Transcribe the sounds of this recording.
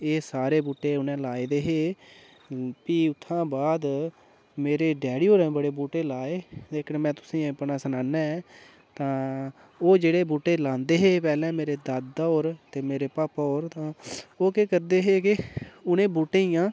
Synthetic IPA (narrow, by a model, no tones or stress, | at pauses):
eːsaːɾeːbuːʈːeːʊnẽːlaːed̪eːɦeː | piːʊt̪ʰːãːbaːd̪ | meːɾeːɖɛːɽioːɾɛ̃ːbəɽeːbuːʈeːlaːeːd̪eːkʰnmɛ̃ːt̪ʊsĩːpnaːsənaːnɛːɛː | t̪ãː | oːd͡ʒeːɽeːbuːʈːeːlãːnd̪eːɦeːpɛːlɛ̃ːmeːɾeːd̪ad̪oːɾt̪eːmeːɾeːpaːpɔːɾt̪ãːoːkeːkəɾd̪eːɦeːkɪʊnẽːbuːʈːeːiːãː